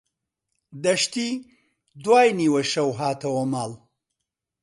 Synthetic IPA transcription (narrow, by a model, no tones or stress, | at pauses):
d̪ɐʃt̪i | d̪waːjniwɐʃɐwɦaːt̪ʰɐwɐmal